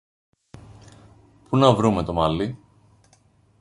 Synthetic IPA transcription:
punɐvɾume̞t̪o̞mɐli

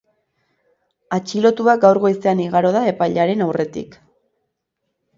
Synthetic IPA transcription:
at͡ʃilo̞t̪uak̚ɡawɾɣo̞jse̞aniɣaɾo̞ð̞ae̞pajʎaɾe̞nawre̞t̪ḭk

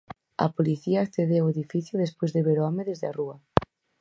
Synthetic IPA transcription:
ɐ̰poliθiaːkθeðeaweðifiθjoðespojzðeβeɾoɔmeðezðearuɐ

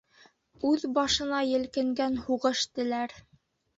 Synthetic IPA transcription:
ʉðbɑʃɤ̆nɑjɘ̆lkɘ̆ŋɡænhuʁɤ̆ʃt̪ɘ̆læɾ

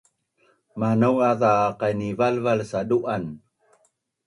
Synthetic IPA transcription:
manəwaðaqajnivalvalsaduʔan

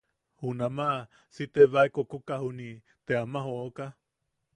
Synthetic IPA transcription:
hunamaʔ | sit̪eβaekokukahuni | t̪eamaɦooka

